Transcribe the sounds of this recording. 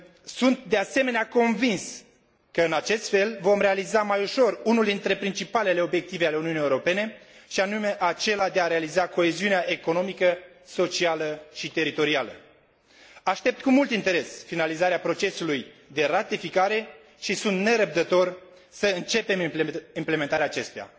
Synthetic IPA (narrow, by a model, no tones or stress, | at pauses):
sunt̪̚d̪e̞ase̞me̞neako̞nvins | kəɨnat͡ʃe̞st̪fe̞lvo̞mɾe̞alizamajuʃo̞runuld̪int̪ɾe̞pɾint͡ʃipale̞le̞o̞bje̞k̚t̪ive̞ale̞uniunijeuɾo̞pe̞ne̞ʃianume̞ʔat͡ʃe̞lad̪e̞aɾe̞alizako̞e̞ziuneaʔe̞ko̞no̞mikə | so̞t͡ʃialəʃit̪e̞ɾit̪o̞ɾialə̰ | aʃt̪e̞p̚t̪kumult̪int̪e̞ɾe̞sfinalizaɾeapɾo̞t͡ʃe̞sulujd̪e̞rat̪ifikaɾe̞ | ʃisunt̪ne̞ɾəp̚d̪ət̪o̞r | səɨnt͡ʃe̞pe̞mimpleme̞nt̪aɾeaːt͡ʃe̞st̪uja̰